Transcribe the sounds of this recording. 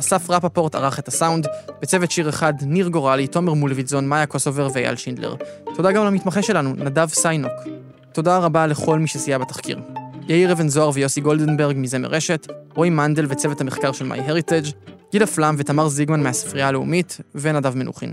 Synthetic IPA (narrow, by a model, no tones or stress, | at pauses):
asafʁapapo̞ʁta̰ʁaχethasawndbet͡sevetʃiʁeχadniʁɡo̞ʁalito̞meʁmulvizo̞nmajakosoveʁveja̰lʃindlḛʁtʰo̞daɡamalhamitmaχe̞ʃe̞lanunadavsajnok | to̞daʁabale̞χo̞lmiʃesijabetḁχkḭʁjeiʁevenzoaʁvejo̞siɡo̞ldenbeʁɡmize̞mḛʁeʃe̞tʁojmande̞lvet͡sevethameχkaʁʃe̞lma̰jɦeʁited͡ʒɡ̥ilaflamve̞tamaʁziɡmanmeasi̥fʁialeumitvenadavme̞nʔṵχḭn